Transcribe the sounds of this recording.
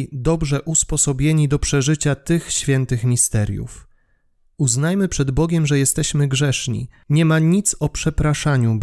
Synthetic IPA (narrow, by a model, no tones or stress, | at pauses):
d̪ɔbʐɛʔuspɔsɔbʲjeɲid̪ɔpʂɛʐɘt͡ɕat̪ɘxɕfʲjɛnt̪ɘxmʲist̪ɛɾʲjṵf | uznajmɘpʂɛd̪bɔɡʲɛmʐɛjɛst̪ɛɕmɘɡʐɛʂɲḭɲɛmaɲit̪sɔpʂɛpɾaʂaɲub